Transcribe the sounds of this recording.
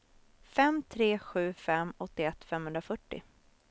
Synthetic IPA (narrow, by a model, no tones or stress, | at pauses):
fɛmt̪ʰɾeːɧʉ̟ːfɛmːɔt̪ːɪɛt̪ːfɛmhɵnd̪ɾafœʈːɪ̰